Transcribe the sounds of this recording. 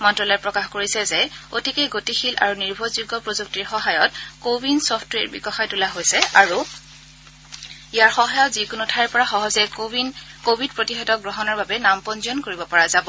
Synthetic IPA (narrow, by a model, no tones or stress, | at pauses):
mɔntɹɔlɔjpɹɔkaxkoɹisɛzɛotikeɡotixilʔa̰ɹuniɹbʱɔzuɡɔpɹozuk̚tiɹxɔɦajɔtkobinsɔptɹeɹbḭɡɔxajtulaɦojsɛaɹu | ijaɹxɔɦajɔtzikunutʰaɛɹpɔɹaxɔɦɔzɛ | kobʱid̚pɹotixɔdɔk̚ɡɹɔɦɔnɔɹbabɛnampɔnziɔnkoɹibɔpɔɹazabɔ